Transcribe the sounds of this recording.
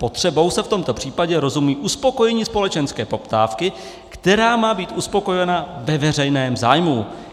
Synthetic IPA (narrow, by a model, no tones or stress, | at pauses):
po̞t̪r̝̥ɛbo̞wsɛft̪o̞mt̪o̞pr̝̥iːpaɟɛɾo̞zumuiːʔuspo̞ko̞jɛɲiːspo̞lɛt͡ʃɛnskɛːpo̞pt̪aːfkɪ | kt̪ɛɾaːmaːbiːt̪ʔuspo̞ko̞jɛnavɛvɛrɛjnɛːmzaːjmu